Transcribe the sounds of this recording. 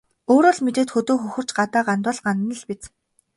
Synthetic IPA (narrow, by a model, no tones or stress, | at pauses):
oːɾɔːɮmet̪eːt̪xɵt̪oːxɵxɵ̆r̥t͡ɕɢat̪aːɢant̪ʊ̆ɮɢant̪nə̆ɮpit͡s